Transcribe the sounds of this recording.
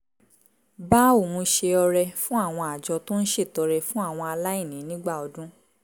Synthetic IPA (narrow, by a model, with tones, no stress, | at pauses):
ba˦o˦˨mõ˧ʃe˧ɔ˧ɾɛ˧fũ˦a˦˨w̃ɔ̃˧a˨d͡ʒɔ˧to˦n̩˦ʃe˦˨tɔ˨˧ɾɛ˧fũ˦a˦˨w̃ɔ̃˧a˧la˦i˦˨nĩ˨˦nĩ˦ɡ͡ba˦˨ɔ˧dũ˦